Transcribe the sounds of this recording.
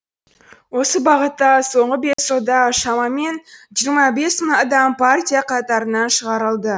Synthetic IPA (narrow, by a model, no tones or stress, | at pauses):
wo̞səbɑʁət̪ːɑso̞ɴʁəbe̞sʒəlˠd̪ɑʃɑmɑme̞nʒijəɾmɑbe̞sməɴɑd̪ɑmpʰartʲijaqʰɑt̪ɑɾənɑnʃəʁɑɾəlˠd̪ə